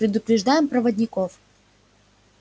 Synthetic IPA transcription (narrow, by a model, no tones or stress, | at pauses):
pɾʲɪd̪ʊpɾʲɪʐd̪ajɪmpɾəvədʲnʲɪkof